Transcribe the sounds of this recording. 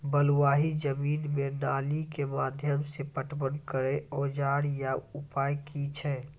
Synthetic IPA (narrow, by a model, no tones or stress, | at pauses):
bəlwaːɦid͡ʒəmiːnmenaːlikemaːd̪ʱjəmsepəʈbənkəɾeɔːd͡ʒaːɽjaʊpaːjkit͡ʃʰɛː